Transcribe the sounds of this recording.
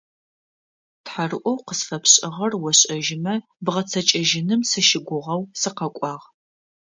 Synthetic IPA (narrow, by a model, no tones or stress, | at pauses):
tħarɨʔʷɔwqəsfɐpʰɕʼɪʁɐrwɔɕʼɐʒɪmɐ | bʁɐt͡sʰɐt͡ʃʼɐʒɪnɨmsɨʃɪɡʷʊʁɐwsɨqɐkʷʼɑːʁ